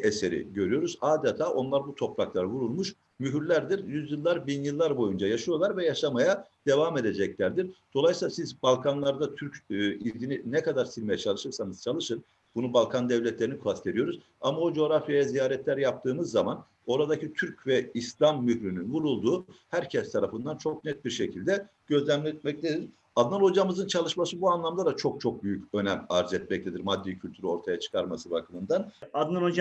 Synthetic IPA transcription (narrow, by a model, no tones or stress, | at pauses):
eseɾḭɟø̞ɾyjo̞ɾuzaːd̪et̪ʰaːʔo̞nlˠaɾbut̪ʰo̞pɾaklˠaɾɯvuɾulˠmuʃ | myɦyɾlʲæɾd̪iɾjyzjɯlˠːaɾbinjɯlˠːaɾbo̞jund͡ʒajaʃɯjalæɾvɛjaʃamajad̪̥e̞vame̞d̪e̞d͡ʒɛclʲæɾd̪iɾd̪̥o̞lˠajsiːlˠasizbalˠkʰanlˠaɾd̪at̪ʰyɾcːilʲd̪ininɛkʰad̪aɾsilʲme̞jɛt͡ʃʰalˠɯʃɯɾsanɯz̥t͡ʃʰalˠɯʃɯn | b̥unubalˠkʰand̪ɛvlʲɛt̪lʲeɾinikʰast̪ʰe̞ɾijo̞ɾuz | amaod͡ʒo̞ɾafjajazijaːɾɛt̪ʰlʲæɾjap̚t̪ʰɯːmɯzːaman | o̞ɾad̪acʰit̪ʰyɾcvɛislʲamːyhɾynynvuɾulˠd̪uːhæɾcʰɛst̪ʰaɾafɯnd̪ant͡ʃʰok̚nɛt̪̚biɾʃecʰilʲd̪ɛ | ɟ̥ø̞zlʲæmlʲɛt̪̚mɛc̚lʰʲed̪iɾ̥ | ad̪nanod͡ʒamɯzɯnt͡ʃʰalˠɯʃmasɯbuanlˠamd̪ˠad̪at͡ʃʰo̞k̚t͡ʃʰo̞k̚byjycø̞nɛmaɾzɛt̪̚mɛc̚lʰʲed̪iɾmad̪ːicʰylʲt̪ʰyɾyo̞ɾt̪ʰajat͡ʃʰɯ̥kʰaɾmasɯbakʰɯmɯnd̪anad̪nanod͡ʒ